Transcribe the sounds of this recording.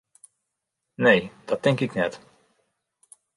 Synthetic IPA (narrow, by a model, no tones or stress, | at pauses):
nejd̥ɑt̚ɛŋkɪknɛt